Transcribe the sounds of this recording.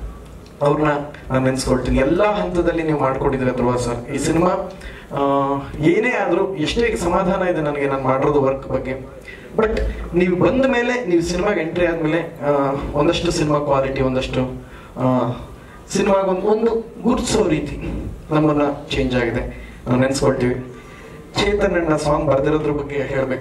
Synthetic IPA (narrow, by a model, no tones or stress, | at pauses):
ɐʋɾɐnːɐnaːnenskoɭt̪iːniɛlːaɦɐnt̪ɐd̪ɐlːiniːʋumaːɖkoɳid̪iɾeɐd̪ɾuʋaːsaɾiːsinimaː | eːne̞ːaːd̪ɐɾuːeʂʈeːɡesɐmaːd̪ʱaːnɐid̪enɐnɐɡe̞naːnumaːɽiɾoːd̪uʋɐɾkbɐɡːe̞ | bɐʈniːʋubɐnd̪me̞ːle̞niːʋusinimaːɡeɳʈɾijaːd̪meːle | ond̪ɐʂʈusinimaːkʋaːliʈiond̪ɐʂʈu | sinimaːɡond̪uond̪uɡuːɾsɐʋɾiːt̪inɐmːɐnːɐt͡ʃe̞ːɲd͡ʒaːɡid̪e̞ | naːnnenskoɭt̪iːʋi | t͡ʃeːt̪ɐɾnɐnːɐsaːŋbɐɾd̪iɾoːd̪ɾubɐɡːe̞ɦe̞ːɭbe̞ːku